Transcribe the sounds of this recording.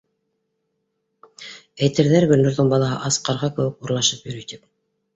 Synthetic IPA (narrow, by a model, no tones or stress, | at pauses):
æjt̪ɘ̆ɾðæɾɡɵ̆nːɵ̆ɾðɘŋbɑlˠɑɦɤ̰ʔɑsqɑɾʁɑkɘ̆wɘkuɾlˠɑʃɤpjɵ̆ɾɵt̪ip̚